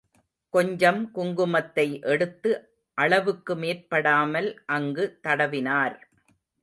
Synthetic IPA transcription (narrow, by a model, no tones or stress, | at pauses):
kɔɲd͡ʒɐmkʊŋɡɯmɐt̪ːɐɪʔɛɽɯt̪ːɯ | ʔɐɭɐʋɯkːɯmeːrpɐɽaːmɐlʔɐŋɡɯt̪ɐɽɐʋɪnaːɾ